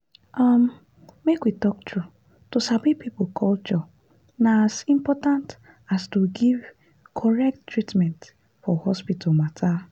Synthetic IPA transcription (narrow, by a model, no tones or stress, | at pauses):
am | mekwitɔk̚tɾu | tosabipipʊkʰɔlt͡ʃɔ | naazĩmpɔtãnt | astuɡiv | kʰɔɹɛk̚ttɹitmɛ̃nt | fɔhɔspitʰalmatʰa